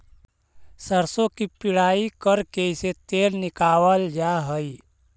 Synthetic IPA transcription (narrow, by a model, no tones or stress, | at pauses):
səɾsõkipɪɽaikəɾkeset̪eɾnɪkawəld͡ʒaɦəj